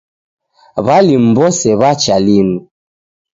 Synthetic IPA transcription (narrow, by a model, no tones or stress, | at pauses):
βalim̩bɔsɛβat͡ʃalinu